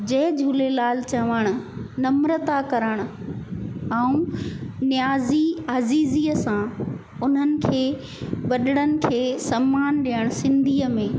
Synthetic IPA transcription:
d͡ʑɐɦd͡ʑʱulelaːlt͡ɕɐʋəɽ̃ʊ̆nɐmɾət̪akɐɾəɽ̃ʊ̆ | ɛũnjaːziaːziːziːəsã | ʊn̤ənɪ̆kʰeː | ɓɐɗɪɽ̃ənɪ̆kʰeːsɐmːaːnɗiːəɽ̃ʊsɪ̃nd̪ʱiːəmẽː

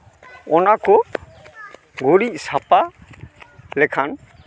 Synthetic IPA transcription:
ɔnakɔ | ɡoɽic̚sapa | lɛkʰan

